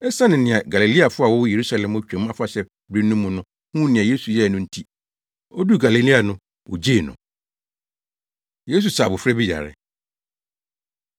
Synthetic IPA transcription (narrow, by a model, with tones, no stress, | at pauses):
ɛ˦sã˦nɪ̃˨nɪ̃˨ã˨ɡa˨li˨li˦a˨fʊ˦a˨wʊ˦je˨ɾu˦sa˨lɛ̃˨mo˦t͡ɕᶣɛ̃˨˦m˦ã˦fa˨ɕɛ˦ | bɾi˦n˦ũ˦mũ˨nʊ̃˦ | hũ˦nɪ̃˨ã˨je˦su˨jɛ˦˨nʊ̃˦n̩˦tʰi˦ | o˦du˦ɡa˨li˨li˦a˨nʊ̃˦ | wʊ̰˨d͡ʑe˦˨nʊ̰̃˨ | je˦s̬u˨saː˨bʊ˨fɾɛ˦bi˦ja̰˨ɾɪ̰˨